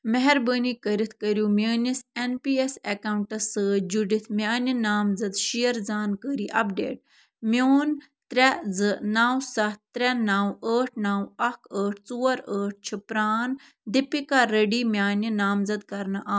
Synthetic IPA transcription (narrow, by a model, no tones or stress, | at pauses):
mɛɦɛɾbəːnikəɾit̪ʰkəɾjuːmʲəːnisenpiːesekaːwɳʈɐsɨd͡ʒuɖit̪ʰmʲjaːninaːmzɐd̪ʃijɐɾzaːnkəɾiːʔɐp̚ɖḛːʈ̚ | mʲoːn | t̪ɾɛzɨnaːwsɐt̪ːɾɛnaːwəːʈʰnaːwɐkʰəːʈʰt͡suːɐɾəːʈ̚ʰt͡ʃʰipɾaːn | d̪ipikaɾəɖiːmjaːninaːmzɐd̪kɐɾnɨʔaː